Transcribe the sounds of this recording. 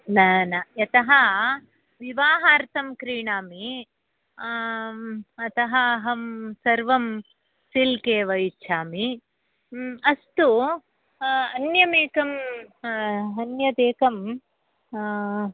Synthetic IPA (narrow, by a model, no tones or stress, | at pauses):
naːnɐjɐt̪ɐɦɐ | ʋiʋaːɦaːɾt̪ʰɐmkɾiːɳaːmi | ɐt̪ɐɦɐɦɐmsɐɾʋɐm | silkeːʋɐjt͡ʃʰaːmi | ɐst̪u | ɐnjɐmeːkɐm | ɐnjɐd̪eːkɐm